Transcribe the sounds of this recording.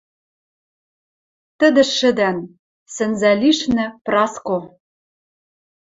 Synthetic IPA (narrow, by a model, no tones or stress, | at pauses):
t̪ɘ̆d̪ɘ̆ʃːɘ̆d̪æn | sɘ̆nzæliʃnɘ̆prɑsko